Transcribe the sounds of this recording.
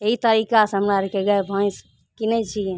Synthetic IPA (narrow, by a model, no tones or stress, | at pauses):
eɦit̪əɾikasɦəmɾaɾekeɡəebʱə̃js | kinɛt͡ʃʰije